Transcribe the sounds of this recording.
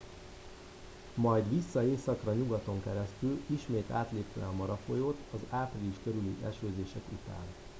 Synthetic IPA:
mɒjd̪ʋisːɒeːsɒkrɒɲuɡɒt̪o̞ŋkɛɾɛst̪yliʃmeːt̪a̰ːt̪leːpt̪ø̰ɛɒmɒɾɒfo̞joːt̪ɒzaːpriliʃkøɾylḭʔɛ̰ʃøːzeːʃɛkut̪a̰ːn

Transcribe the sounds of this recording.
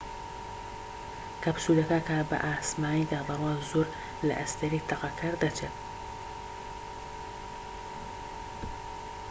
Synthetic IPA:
kʰɐpsud̪ɐkakabɐ̰ʔaːsmaːnid̪aːbɐɾwaːzuɾ | lɐ̰ʔɐst̪ɐɾiːt̪ʰɐqɑkʰɐɾd̪ɐt͡ʃʰet̪

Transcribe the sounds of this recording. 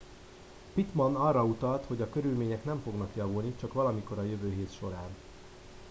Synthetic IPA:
pit̪mɒnɒrːɒut̪ɒlt̪ho̞ɟɒkøɾylmeːɲɛkn̪ɛɱfo̞ɡnɒkjɒvulnit͡ʃɒkʋɒlɒmiko̞ɾɒjøvøːɦeːt̪ʃo̞ɾaːn

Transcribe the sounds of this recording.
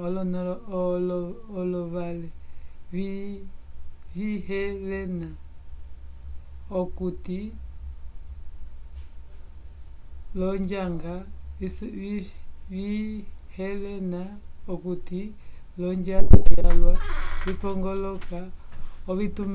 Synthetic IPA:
ɔlɔnlːlɔβalɛβi | βiɦɛlɛna | ɔkuti | lɔɲd͡ʒaŋɡa | βihɛlɛnaɔkuti | lɔɲd͡ʒalalwaβipɔŋɡɔlɔkaɔβitum

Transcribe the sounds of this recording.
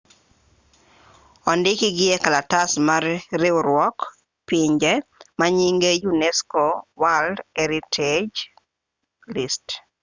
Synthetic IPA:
ɔndɪkɪɡɪɛkalatasmarːeoɾwɔk | pɪɲd͡ʒɛmaɲiŋɡejunɛskowaldɛɾitʰed͡ʒ | list

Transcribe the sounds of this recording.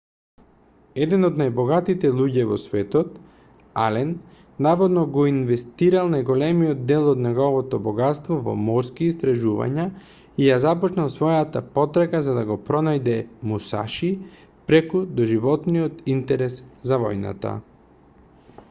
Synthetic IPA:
ɛd̪ɛnɔd̪najbɔɡat̪it̪ɛlˠuɟɛvɔ̰svɛt̪ɔt̪ | alɛnː | avɔd̪nɔɡɔinvɛst̪iɾalˠnajɡɔlɛmijɔd̪d̪ɛlˠɔd̪nɛɡɔvɔt̪ɔbɔɡat̪st̪vɔvɔ̰mɔɾskiːst̪ɾaʒuva̰ɲa | ijazapɔt͡ʃnalˠsvɔjat̪apɔt̪ɾakazad̪aɡɔpɾɔnajd̪ɛmusa̰ʃi | pɾɛkud̪ɔʒivɔt̪nijɔt̪int̪ɛɾɛszavɔjna̰t̪a̰

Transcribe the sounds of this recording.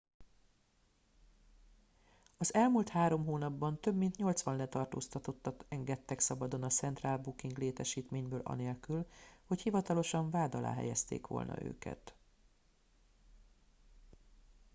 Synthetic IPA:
ɒzɛlmult̪haːɾo̞mɦoːnɒbːɒnt̪ø̞bmint̪ɲo̞lt̪sʋɒnlɛt̪ɒrt̪oːst̪ɒt̪o̞t̪ːɒkɛŋɡɛt̪ːɛksɒbɒd̪o̞nɒt̪sɛnt̪raːlbukiŋɡleːt̪ɛʃiːt̪meːɲbøːlʔɒ̰neːlkylho̞chivɒt̪ɒlo̞ʃɒɱvaːd̪ɒla̰ːɦɛ̰jɛst̪ḛːkʋo̞̰lnɒ̰ʔø̰ːkɛ̰t̪

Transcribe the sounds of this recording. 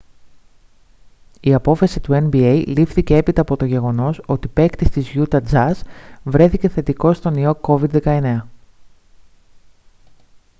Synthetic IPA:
iɐpo̞fɐsit̪ue̞nbiejlifθice̞e̞pit̪ɐːpo̞t̪oʝe̞ɣo̞no̞so̞t̪ipe̞kt̪ist̪izʝut̪ɐd͡zɐzvɾe̞θiceθe̞t̪iko̞st̪o̞nio̞ko̞vid̪ðe̞kɐe̞ne̞ɐ

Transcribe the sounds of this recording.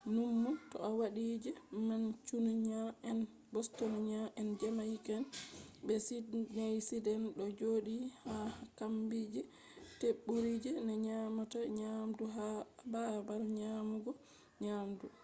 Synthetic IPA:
numːutɔ̰awaɗid͡ʒɛmant͡ʃunɲaɛn | bɔstɔnɔɲaʔɛnd͡ʒɛmajikɛnbɛsinajsidɛnɗɔd͡ʒoːɗihaakambid͡ʒɛ | teɓːuɾid͡ʒɛnɛɲamataɲamduɦababalɲaːmuɡɔ | ɲaːmdu

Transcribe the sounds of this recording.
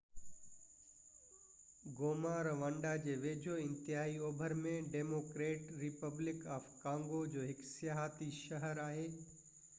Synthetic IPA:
ɡoːmaːɾʋə̃ɳɖad͡ʑeːʋeːd͡ʑʱoɪ̃nt̪ɪɦaːioːbʱəɾmẽɖeːmoːkɾeːʈɾɪpəblɪkaːfkãːŋɡod͡ʑoːɦɪksɪjaːɦt̪iʃɐɦəɾaːɦeː

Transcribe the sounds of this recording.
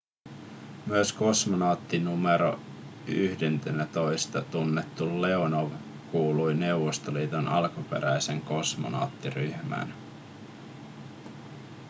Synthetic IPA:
myøsko̞smonɑːt̪ːinumeɾo̰ | yhde̞nt̪enæt̪o̞jst̪ɑt̪unːet̪ːulːe̞onoʋ | kuːlujne̞uwʋost̪oliːt̪onɑlkupe̞̰ɾæjseŋko̞smo̰nɑ̰ːt̪ːiryhmæ̰n

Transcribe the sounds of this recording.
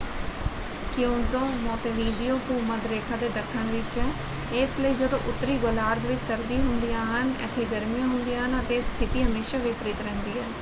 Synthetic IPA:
kɪjõːzoːmɔːt̪ʋiːɖijoːkuːməd̪ɾeːkʰãːd̪eːɖəkʰəɳ̃ʋɪt͡ʃː | esləiːd͡ʒəd̪o̰ːʔʊt̪ːɾiːɡolaːɾd̪ʋɪt͡ʃsəɾd̪iːɦʊ̃nd̪ijãːɦənɛ̰ːt̪ʰːeːɡəɾmijãːɦʊnd̪ijãːɦənət̪eːst̪ʰɪt̪iːɦəmeːʃaːʋɪpɾɪːt̪ɾɛ̃ːnd̪iːɦɛː

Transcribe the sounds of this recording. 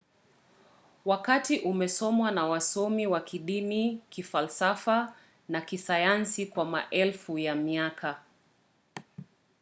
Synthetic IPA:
wakatiʔumɛsɔmwanawasɔmiwakʰiɗimikifalsafa | nakisajansikwamaʔɛlfujamiakʰa

